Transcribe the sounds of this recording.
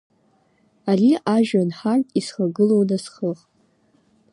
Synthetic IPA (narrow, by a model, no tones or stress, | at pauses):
ariʔaʒᶣanħartʼisχaɡɨlownasχəχ